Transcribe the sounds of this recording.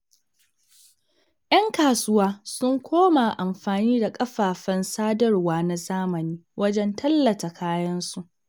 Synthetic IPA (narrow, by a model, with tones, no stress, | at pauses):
jʔɐ˦ŋkaː˨sʊ˦waː˦sʊ˦ŋkʷʰoː˦ma˨ʔa˨mɸaː˨niː˦da˨kʼɐ˦ɸaː˨ɸɐ˦nsaː˦dɐ˦rwaː˦˨na˨zaː˦mɐ˨niː˦wʔɐ˦d͡ʒɛ˦ntʰɐ˦lːɐ˨ta˨kʰaː˦jɐ˦nsu˦˨ʔ